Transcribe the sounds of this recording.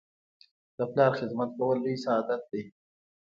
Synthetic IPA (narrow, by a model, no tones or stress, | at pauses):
d̪̥əplɑːɾxɪd̪mat̪̚kawəlːisaːd̪at̪̚d̪i